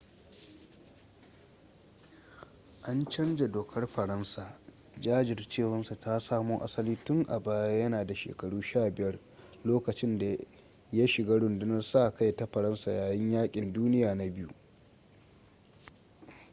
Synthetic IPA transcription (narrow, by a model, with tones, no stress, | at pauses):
ʔa˦nt͡ʃɐ˦nd͡ʒa˨doː˨kʰɐ˦rɸɐ˨ɾɐ˦nsaː˨ | d͡ʒaː˦d͡ʒɪ˨rt͡ʃeː˦˨wɐ˦nsu˨ta˦saː˦moː˦ʔa̰˦sɐ˦liː˦tʊ˦ŋʔa˨baː˦jaː˦jɐ˦naː˨da˨ʃḛː˨kɐ˨ɽuː˦ʃaː˦˨bɪ˨jɐ˦r | loː˦kɐ˨t͡ʃɪ˦nda˨ | ja˦ʃɪ˨ɡaː˦ɽʊ˨ndʊ˦nɐ˦rsaː˦˨ʔka˦jta˦ɸɐ˨ɾɐ˦nsaː˨jaː˨jɪ˦ɲjaː˦kʲʼɪ˨nduː˦nɪ˦jaː˨na˦bɪ˦jṵ˦